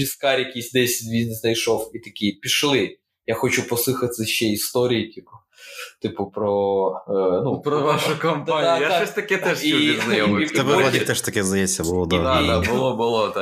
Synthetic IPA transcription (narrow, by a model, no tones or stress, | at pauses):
iskɑɾʲjɐkʲisʲd̪ɛsʲtʲbʲiznɛsnɐjʃɔwit̪ɐkʲipʲiʃlˠɪ | jaxɔt͡ʃupɔsˠɪxɐt̪sɛʃt͡ʃɛist̪ɔɾʲijitʲipʊ | t̪ɪpʊpɾɔ | nupɾɔʋaʃʊkɐmp̪aaɛʃt̪ɐkɛt̪ɛʃiɛiznɐjɔmit̪ɛbɛad̪ʲit̪ɛʃt̪ɐkɛzd̪ɐjɛt͡sʲsʲːɐbʊlˠɔd̪aabʊlˠɔbʊlˠɔd̪a